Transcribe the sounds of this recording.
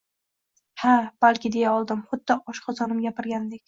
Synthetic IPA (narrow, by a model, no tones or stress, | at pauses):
hab̥alˠkʲʰɪd̪e̞jaɒlˠd̪ɪmχʊd̪ːɪɒʃqʰɑzɒnɪmɡʲapɪɾɡʲand̪ekʲ